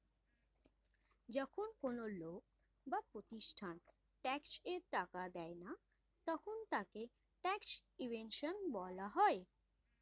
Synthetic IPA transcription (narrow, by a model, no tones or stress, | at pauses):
d͡ʑɔkʰonkonolok̚ | bapɾot̪iʃʈʰan | ʈɛkseɾʈakad̪ɛena | t̪ɔkʰont̪ake | ʈɛksibenʃonbɔlaɦɔe